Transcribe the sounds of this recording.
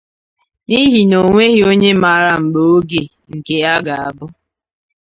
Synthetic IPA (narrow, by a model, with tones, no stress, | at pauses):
ni˦ɦi˨no˨ŋʷe˦ɦi˦o˦ɲe˦ma˨ɾa˦˨ŋ͡m̩˨ɡ͡bo˨o˦ɡe˨ | ŋ̩˨ke˨a˦ɡa˨a˨bʊ˦